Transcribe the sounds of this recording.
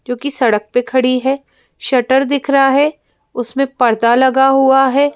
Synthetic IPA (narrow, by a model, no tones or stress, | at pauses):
d͡ʒoːkisɐɽək̚pekʰɐɽiɦɛː | ʃɐʈəɾd̪ɪkʰɾaɦɛ | ʊsmẽpɐɾd̪alɐɡaɦuaɦɛː